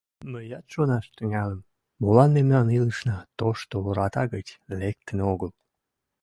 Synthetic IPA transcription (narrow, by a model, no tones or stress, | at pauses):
məjɑt̪ʃonɑʃt̪əŋæləm | molɑnːemnɑniləʃnɑt̪oʃt̪ooɾɑt̪ɑɣət͡ɕlek̚t̪ənoɣəl